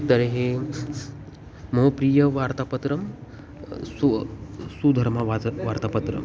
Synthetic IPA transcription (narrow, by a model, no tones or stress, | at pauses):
d̪ɐɾeɦe | mɐɦopɾiːjɐʋaːɾt̪aːpɐt̪ɾɐm | susud̪ʱɐɾmɐʋʋaɾt̪aːpɐt̪ɾə̰m